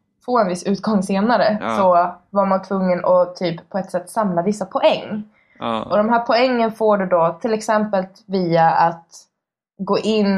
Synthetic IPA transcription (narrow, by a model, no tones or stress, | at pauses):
foːɛnvɪsʉ̟ːt̪̚ɡɔŋːseːnaɾəsɔvaɾmant̪ʰvɵŋːənɔt̪ʰyːpʰːɔɛt̪ːsɛt̪ːsamlavɪsːapʰɔʔɛŋː | ʔɔd̪ɔmɦæːɾpʰɔɛŋːənfoːɖɵd̪ɔt̪ʰɪlɛksɛmpəlt̪viːaat̪ | ɡoːʔɪnː